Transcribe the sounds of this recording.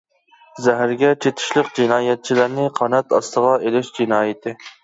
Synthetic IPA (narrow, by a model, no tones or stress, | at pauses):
zæɦæɾɡʲɛt̪ʰet̪ʰɪ̥ʃlˠəqd͡ʒinɑːjɛt̪̚t͡ʃʰilæɾnɪqʰɑnɛt̪ɑst̪əʁɑʔelɪʃd͡ʒinɑːjɪt̪ʰɪ